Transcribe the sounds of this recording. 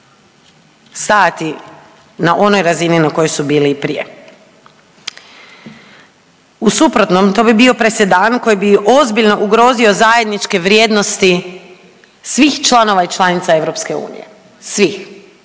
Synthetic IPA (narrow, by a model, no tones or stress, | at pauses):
saːt̪i | naʔo̞no̞jɾazininako̞jojsubiːlipɾijḛ | usupɾot̪no̞mt̪o̞bibio̞pɾesed̪aːnko̞jibio̞zbiʎno̞ʔuɡɾo̞ːzio̞zaje̞d̪nit͡ʃke̞ʋɾje̞ːd̪no̞st̪i | sʋixt͡ʃlˠano̞ʋait͡ʃlˠanit̪sae̞ʋɾo̞pske̞ṵːnḭjḛ | sʋix